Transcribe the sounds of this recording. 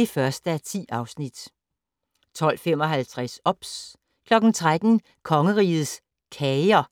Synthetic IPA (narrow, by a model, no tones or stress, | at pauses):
efɶɐsd̥əæɐt͡sʰḭːɑ̈ʊsnid̥ | t͡sʰɒ̽l̰fem̰ɒ̽ɦælt͡sʰʁasɒ̽b̥s | kʰlɒ̽ɡ̥n̩t͡sʰʁad̥n̩ | kʰɒ̽ŋəʁḭːð̩ˠs | kʰɛɪɐ